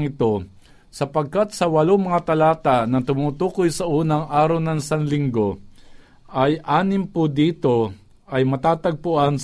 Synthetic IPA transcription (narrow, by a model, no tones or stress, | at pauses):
ŋɪt̪o̞ | sɐpɐɡ̚kat̪̚sɐwɐloŋmɐŋat̪ɐlaːt̪aʔnɐt̪ʊmuːt̪uːkojsɐʔuːnɐŋʔaːɾɐwnɐŋsaŋlɪŋɡo̞ | ʔɐjʔaːnɪmpʊd̪iːt̪o̞ | ʔɐjmɐt̪aːt̪ɐɡ̚pʊʔans